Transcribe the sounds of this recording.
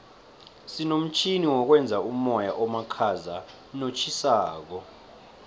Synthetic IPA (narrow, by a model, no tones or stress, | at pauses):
sinom̩t͡ʃʰʼiniwɔk̬wɛnd͡zʱaumɔjaʔɔmakʰaza | not͡ʃʰisaːk̬ɔ